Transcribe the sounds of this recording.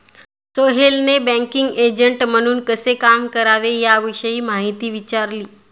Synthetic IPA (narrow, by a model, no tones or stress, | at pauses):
soɦelnebɛ̃ŋkiŋɡed͡ʑəɳʈm̤əɽ̃uːnkəsekamkəɾaʋejaʋiɕəiːmaɦit̪iːʋit͡ɕaɾliː